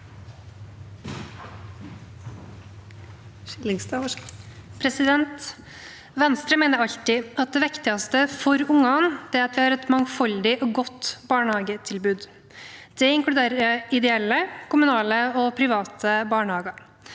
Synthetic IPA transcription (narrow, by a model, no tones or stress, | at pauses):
ɪlɪŋst̪ɑ | pʰɾɛsɪd̪ɛnt̪ | ʋɛnst̪ɾəmɛɪnəɾɑʎt̪ɪɑt̪̚d̪ɛʋɪkt̪ɪɑst̪əfɔɾʊŋɑnd̪̥ɛɾɑt̪d̪ɪhɑːɾɛt̪mɑŋfɑld̪ɪʔɔɡɔt̪ːbɑːɳhɑːɡət̪ʰɪlbʉːd̪ | d̪̥ɛɪŋklʉd̪eːɾəɪd̪ɛɛlːəkʰʊmʉnɑːləɔpʰɾɪʋɑːt̪ʰəbɑːɳhɑːɡɑɾ